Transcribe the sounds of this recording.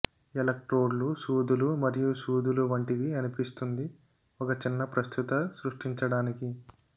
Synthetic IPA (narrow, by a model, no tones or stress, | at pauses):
elɐk̚ʈɾoːɖlusuːd̪ulumɐɾijusuːd̪uluʋɐɳʈiʋiɐnipist̪und̪i | ɔkɐt͡ʃinːɐpɾɐst̪ʰut̪ɐsɾuʂʈiɲt͡ʃɐɽaːniki